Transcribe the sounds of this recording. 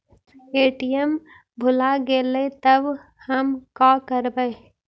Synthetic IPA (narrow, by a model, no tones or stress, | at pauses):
eːʈijəm | bʱʊlaɡeːlet̪əb | həmkaːkəɾbəe